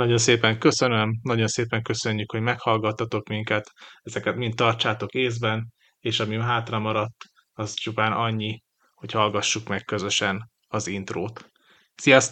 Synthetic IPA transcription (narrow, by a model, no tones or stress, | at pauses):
nɒɟo̞nseːpɛŋkø̞sø̞nø̞mnɒɟo̞nseːpɛŋkø̞sø̞ɲːykho̞ɟmɛkhɒlɡɒt̪ːɒt̪o̞kmiŋkɛt̪ɛzɛkɛt̪mint̪ːɒrt͡ʃaːt̪o̞keːzbɛn | eːʃɒmiɦaːt̪rɒmɒɾɒt̪ː | ɒzt͡ʃupaːnʔɒɲːi | ho̞chɒlɡɒʃːukmɛkːø̞zø̞ʃɛn | ɒzint̪roːt̪ | sijɒs